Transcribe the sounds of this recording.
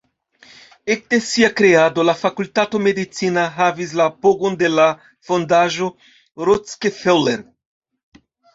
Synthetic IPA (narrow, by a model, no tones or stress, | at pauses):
ek̚desiakɾe̞ado̞lafakultato̞me̞dit͡sinaɦavis̬lapoɡo̞nde̞la | fo̞ndaʒo̞ | ɾot͡skefeleɾ